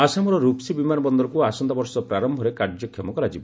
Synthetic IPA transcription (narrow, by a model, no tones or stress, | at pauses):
asamɔɾɔɾupsibimanɔbɔnd̪ɔɾɔkuasɔnd̪abɔɾsɔpɾaɾɔmbʱɔɾekaɾd͡ʒɔkʰːjɔmɔkɔɾad͡ʒibɔ